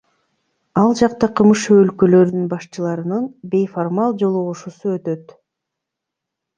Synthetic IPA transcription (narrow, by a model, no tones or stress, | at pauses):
ɑlˠd͡ʒɑqt̪ɑqʰɯmɯʃuølkø̞lø̞ɾynynbɑʃt͡ʃɯlˠɑɾɯnɯnbe̞jformɑlˠd͡ʒo̞lˠuʁuʃusuøt̪ø̞t̪